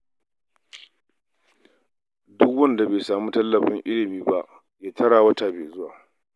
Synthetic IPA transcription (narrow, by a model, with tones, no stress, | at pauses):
dʊ˦kwɐ˦nda˨beː˨saː˨mu˦tɐ˦lːɐ˨ɸɪ˦ŋʔɪ˦lɪ˨miː˦ba˦ʔ | jaː˦tʰɐ˦ɽaː˨wɐ˦ta˨beː˨zʊ˦waː˨